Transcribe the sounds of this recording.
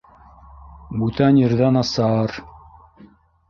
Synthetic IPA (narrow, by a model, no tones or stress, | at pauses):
bʉt̪ænjɘ̆ɾðænɑsɑɾ